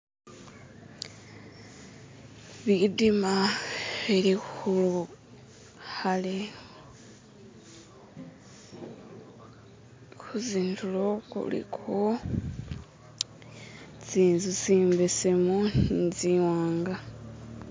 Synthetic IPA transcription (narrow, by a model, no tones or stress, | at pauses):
βidima | eɾikulu | hale | kʰuziːntʰulokṵlḭkʰo | ziːnzut͡siːmbese̞muniziwaːŋɡa